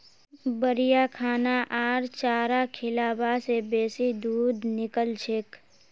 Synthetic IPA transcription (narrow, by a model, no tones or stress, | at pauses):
bəɾijakʰaːnaʔaːɾt͡ʃaːɾakʰɪlaːbasebeːsid̪uːd̪ʱnɪkəlt͡ʃʰɪk